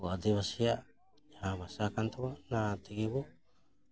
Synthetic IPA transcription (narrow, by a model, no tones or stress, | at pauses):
oadeβasia | haβasakant̪onat̪iɡiβu